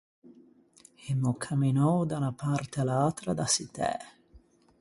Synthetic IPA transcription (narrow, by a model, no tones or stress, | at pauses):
emːʊkʰamːinɔwd̪anapart̪ealaːt̪ɾad̪asit̪ɛ̰